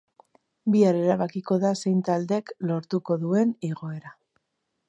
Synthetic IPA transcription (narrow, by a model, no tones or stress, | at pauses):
biaɾeɾaβakiko̞ðase̞jnt̪ald̪e̞klo̞ɾt̪uko̞ðue̞niɣo̞e̞ɾa